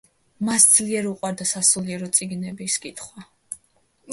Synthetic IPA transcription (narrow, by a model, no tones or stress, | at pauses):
masd̪zliɛɾuqʼwaɾd̪asasuliɛɾɔt̪sʼiɡnɛbiskʼit̪ʰχwa